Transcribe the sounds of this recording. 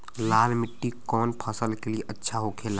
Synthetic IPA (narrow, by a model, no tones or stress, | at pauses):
laːlmɪʈːikɔːnpʰəsəlkelieʔɐtːʃʰaɦokʰeːla